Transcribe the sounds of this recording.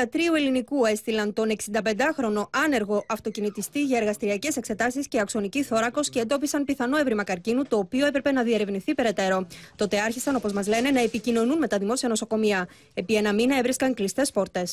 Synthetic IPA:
ɐt̪ɾiue̞linikue̞st̪ilɐnt̪o̞ne̞ksind̪ɐpe̞nd̪ɐxɾo̞no̞ʔɐne̞ɾɣo̞ʔɐft̪o̞cinit̪ist̪iʝɐe̞ɾɣɐst̪iɾiɐce̞se̞kse̞t̪ɐsisceɐkso̞niciθo̞ɾɐko̞sce̞ːnd̪o̞pisɐnpiθɐno̞evɾimɐkɐɾcinut̪o̞ːpio̞e̞pɾe̞pe̞nɐðie̞ɾe̞vniθipe̞ɾe̞t̪e̞ɾo̞t̪o̞t̪e̞ɐɾçisɐno̞po̞zmɐzle̞ne̞nɐe̞picino̞nunme̞t̪ɐðimo̞siɐno̞so̞ko̞miɐ | e̞pie̞nɐminɐevɾiskɐŋklist̪e̞spo̞ɾt̪e̞s

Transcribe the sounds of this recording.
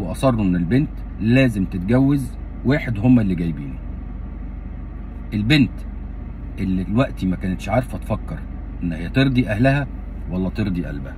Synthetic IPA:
weʔɑsˤɑrˤːuʔenːelbent̪ | læːzemt̪et̪̚ɡæwːez | wæːħed̪homːælːiɡæjbiːnu | ʔelbent̪ | ʔelːilwæʔt̪imækæːnet̪ʃʕɑɾˤfæt̪fɑkːɑɾ | ʔenːhejːæt̪eɾd̪ˤiʔæhlæhæ | wælːæt̪eɾd̪ˤiʔæ̰lbæhæ

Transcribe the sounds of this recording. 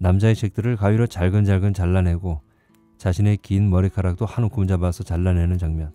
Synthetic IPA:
namd͡ʑaet͡ɕʰe̞k̚t͈ɯɾɯɭkaɥiɾot͡ɕaɭɡɯnd͡ʑaɭɡɯnt͡ɕaɭːanɦe̞ɡo | t͡ɕaɕʰine̞kinmʌɾikʰaɾak̚t͈ohanokʰɯmd͡ʑabasʰʌt͡ɕaɭːanɦe̞nɯnt͡ɕaŋmjʌn

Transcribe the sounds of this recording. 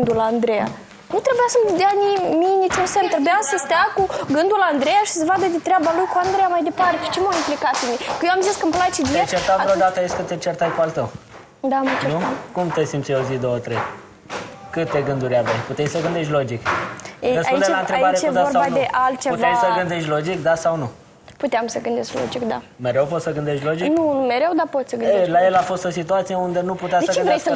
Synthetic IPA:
d̪uland̪ɾeja̰ | nut̪ɾe̞bujasəmɨnd̪eanimijnit͡ʃunsemt̪ɾe̞bujasəst̪eakuɡɨnd̪uland̪ɾejaʃi̥səvad̪əd̪et̪ɾeabalujkuand̪ɾejamajd̪e̞paɾt̪et͡ʃemoimplikat̪fimikəjewamziskəmplajt͡ʃed̪iet͡ʃeɾt̪aɾod̪at̪əajeskət̪et͡ʃert̪ajkualt̪əw | d̪amat͡ʃenukumt̪esimt͡ʃ̪seozid̪o̞wət̪ɾḛj | kɨt̪e̞ɡɨnd̪uɾʲavajput̪ejsəɡɨnd̪eʃt̪ʲlo̞d͡ʒiked̪esauid̪elaɨnt̪ɾebaɾejeuzaoraband̪eʔalt̪̚t͡ʃevejsəɡɨnd̪e̞ʃt̪ʲlo̞d͡ʒikd̪asawnu | put̪eamsəɡɨnd̪esklo̰d͡ʒikd̪a | me̞ɾewp̬ot̪səɡɨnd̪eʃt̪ʲlo̞d͡ʒiknunumeɾewd̪apot̪səɡɨneelaje̞lafo̞st̪o̞sit̪uat̪sije̞und̪e̞nuput̪eassəɡt͡ʃeɨnves

